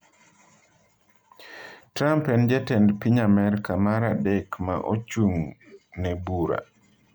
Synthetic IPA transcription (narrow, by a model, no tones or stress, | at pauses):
tɾampɛnd͡ʒɛtɛndpiɲamɛɾkamaɾadɛkma̰ʔot͡ʃuŋnɛbuɾa̰